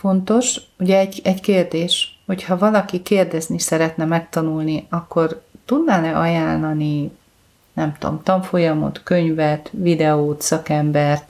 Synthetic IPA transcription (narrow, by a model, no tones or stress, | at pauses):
fo̞nt̪o̞ʃuɟɛɟɛɟkeːrd̪eːʃho̞chɒvɒlɒkikeːrd̪ɛznisɛɾɛt̪nɛmɛkt̪ɒnulniɒkːo̞rt̪ud̪naːlɛʔɒjaːlːɒni | nɛmt̪o̰mt̪ɒɱfo̞jɒmo̰t̪køɲvɛt̪vid̪ɛoːt̪sɒkɛmbɛrt̪